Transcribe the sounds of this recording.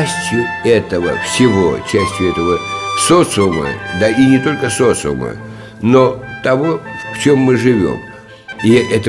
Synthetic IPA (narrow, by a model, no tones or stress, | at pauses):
sʲtʲjʊɛt̪əvə̰fsʲɪvo̰t͡ɕæsʲtʲjʊɛt̪əvəsot̪sɨʊmə̰d̪ainʲɪt̪o̞lʲkəsot̪sɨʊ̰mə̰ | not̪ɐvo̞ft͡ɕe̞mːɨʐɨvʲo̞̰m | iʔɛt̪ə